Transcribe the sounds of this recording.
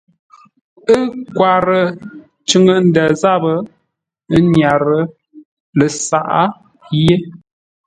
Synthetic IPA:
ə˦kwa˨ɾə˨ | t͡ʃə˦ŋə˦n̩˦də˨za˦bə˨ | ə˦ɲja˨ɾə˨ | lə˨sa˨ʔa˦ | je˦

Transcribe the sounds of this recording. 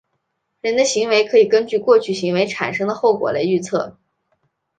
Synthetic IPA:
ɻə˧˥nd̪ə˧ɕi˧˥ŋwe˧˥ɪkʰɤ˧˥i˨˩kə˥nt͡ɕy˥˧kwɔ˥˧t͡ɕʰy˥˩ɕi˧˥ŋwe˧˥ɪʈ͡ʂʰa˨˩nʂɤ˥ŋd̪ə˨xo˥˩ʊkwɔ̰˨˩la˧˥ɪy˥˧t͡sʰɤ˥˩

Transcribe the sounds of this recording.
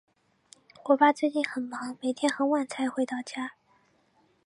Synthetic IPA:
kwɔ˨˧˥pa˥t͡sɹ̩e˥˧t͡ɕi˥˩nxə˨˩nmɑ˧˥ŋme˨˩ɪt̪ʰjɛ˥nxə˧˥nwa˨˩nt͡sʰa˧˥ɪxwe˧˥ɪt̪ɑ˥˩ʊt͡ɕja˥

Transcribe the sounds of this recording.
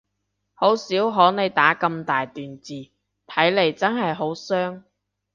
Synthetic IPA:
ho˨˥wsiː˨˥wɦɔː˨˥ne˨˧jt̪aː˨˥kɐ˧mt̪aː˨jt̪yː˨nt͡siː˨˩ | t̪ʰɐ˨˥jle˨˩jt͡sɐ˥nɦɐ˨jɦo˨˥wsœː˥ŋ

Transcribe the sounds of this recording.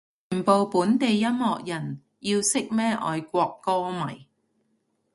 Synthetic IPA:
yː˨˩npo˨˧wpuː˨˥nt̪e˨jːɐ˥mhɔː˨k̚jɐ˨˩n | jiː˧wsɪ˥k̚mɛː˥ʔɔ̰ː˨˧jkʷɔː˧kːɔː˥mɐ˨˩j

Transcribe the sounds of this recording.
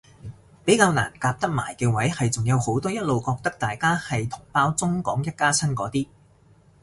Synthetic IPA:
pe˨˥jkaː˧wna̰ː˨˩nkaː˧p̚t̪ɐ˥k̚ma̰ː˨˩jkɛː˧wɐ˨˥jhɐ˨jt͡sʊ˨ŋjɐ˨˧who˨˥wt̪ɔː˥jɐ˥t̚lo˨wkɔː˧k̚t̪ɐ˥k̚t̪aː˨jkaː˥hɐ˨jt̪ʰʊ˨˩ŋpaː˥wt͡sʊ˥ŋkɔː˨˥ŋjɐ˥t̚kaː˥t͡sʰɐ˥nkɔː˨˥t̪iː˥

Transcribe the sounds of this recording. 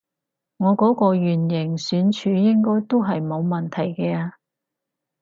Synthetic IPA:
ŋɔː˨˧kɔː˨˥kɔː˧ɥyː˨˩njɪ˨˩ŋsyː˨˥nt͡ʃʰyː˨˧˥jɪ˥ŋkɔː˥jt̪o˥wɦɐ˨jmo˨˧wmɐ˨nt̪ʰɐ˨˩jkɛː˧aː˧

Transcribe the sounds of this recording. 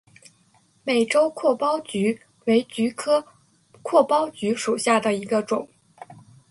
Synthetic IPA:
me˨˩ɪʈ͡ʂo˥ʊkʰwɔ˥˩pɑ˥ʊt͡ɕy˧˥ | we˧˥ɪt͡ɕy˧˥kʰɤ˥ | kʰwɔ˥˩pɑ˥ʊt͡ɕy˧˥ʂu˨˩ɕja˥˩d̪ə˩i˧˥ɡə˧ʈ͡ʂʊ˨˩˦ŋ

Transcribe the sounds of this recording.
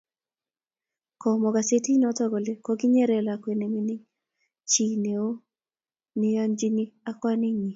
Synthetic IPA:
kɔ˨mɔ˨ɡa˨se˦ti˦nɔ˦tɔ˦ɡo˨le˨kɔ˦ɡɪ˦ɲe˦ɾɛ˦˨la˨kwe˨ne˨mi˦nɪ˦ | t͡ʃi˨ne˨o˦ | nɪ˦a˦nd͡ʒi˦ni˦a˦kwa˦nɪ˦ŋi˨

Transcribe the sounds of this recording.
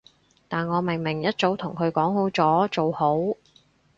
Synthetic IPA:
t̪aː˨nŋɔː˨˧mɪ˨˩ŋmɪ˨˩ŋjɐ˥t̚t͡so˨˥wt̪ʰʊ˨˩ŋkʰɵ˨˧ɥkɔː˨˥ŋho˨˥wt͡sɔː˨˥t͡so˨who˨˥w

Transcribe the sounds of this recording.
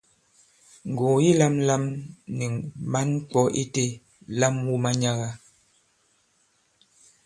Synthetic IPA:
ŋ̩˨ɡõ˨ji˦la˦mla˦mnɛ˨ma˦n˦k͡pɔ˦ʔi˦te˦ | la˦mwu˦ma˦ɲa˦ɣa˦

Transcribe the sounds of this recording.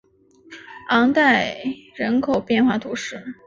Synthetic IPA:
ɑ˧˥ŋt̪a˥˩ɪɻə˧˥nkʰo˨˩ʊpjɛ˥˧nxwa˥˩t̪ʰu˧˥ʂɻ̩˥˩

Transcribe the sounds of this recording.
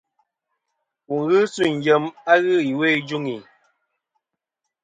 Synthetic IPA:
ku˨ŋɣɨ˦su˦˨ŋ̩˨d͡ʒə˨ma˦ɣɨ˦˨i˨we˦˨d͡ʒu˦ŋi˨

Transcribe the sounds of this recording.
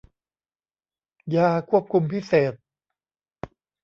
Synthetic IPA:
jaː˧kʰu˥˩əp̚kʰu˧mpi˦˥˩seː˨˩t̪̚

